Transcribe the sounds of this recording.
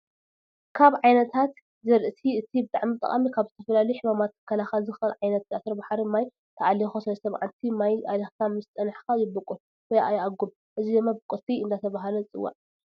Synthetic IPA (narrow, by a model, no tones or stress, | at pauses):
kʰaβʕajnɐt̪ʰat̪ | zɐɾʔɨt̪ʰiɨt̪ʰibɨt̪ʼa̰ʕmit̪ʼɐ̰χʼamikʰaβzɨt̪ʰɐfɐlalujuħimamat̪̚ɨ̥kʰːɐlaxalzɨxɐlʕajnɐt̪̚zasɾɐbaħɾimaj | t̪ʰɐʔalixosɐɾɐsɐβʕant̪ʰimajʔalexk̪ʰamɨst̪ʼːɐnħkajɪbɨkʼul | wɔjʔa̰jaɡum | ʔɨzid̪ɨmːabɨkʼut̪ʰiɨnd̪at̪ʰɐβaɦalɐɨt͡sʼɨ̰wːa̰ʕ